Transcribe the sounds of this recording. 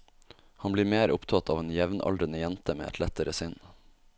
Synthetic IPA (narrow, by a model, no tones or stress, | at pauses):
hɑnbliːɾmeːɾʔʊpt̪ʰɑt̪ʰɑːʋeːnjɛʋnɑ̰ldɾənəjɛnt̪əmḛːʔɛ̰t̪ʰlɛt̪əɾəsʏn